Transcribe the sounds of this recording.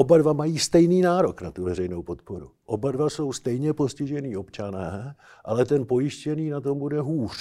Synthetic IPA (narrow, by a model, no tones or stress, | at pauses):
ʔobadvamajiːst̪ɛjniːnaːɾo̞knat̪uvɛɾɛjnowpo̞t̪poɾuʔo̞badvaso̞wst̪ɛjɲɛpo̞scɪʒɛniːo̞pt͡ʃanɛː | ʔalɛt̪ɛnpo̞jɪʃcɛniːnat̪o̞mbudɛɦuːr̝̥